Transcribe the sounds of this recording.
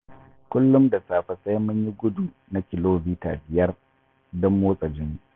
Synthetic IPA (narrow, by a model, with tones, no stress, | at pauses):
kʷʊ˦lːʊ˦mda˨saː˨ɸɐ˨sʼa˦jmʊ˦ɲji˦ɡʷʊ˦du˨ | na˦kʲɪ˨loː˦biː˦ta̰ː˨bɪ˨jɐ˦r | dɔ˦mːoː˦sʼɐ˨d͡ʒɪ˦n˨